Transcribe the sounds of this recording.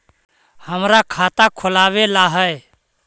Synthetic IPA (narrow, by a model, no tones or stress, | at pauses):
həmɾakʰaːt̪akʰʊlaːʋelaɦəj